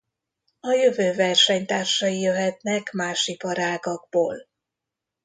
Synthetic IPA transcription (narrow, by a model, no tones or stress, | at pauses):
ɒjøvøːvɛrʃɛɲt̪aːrʃɒjijøɦɛt̪nɛkmaːʃipɒɾaːɡɒɡ̚boːl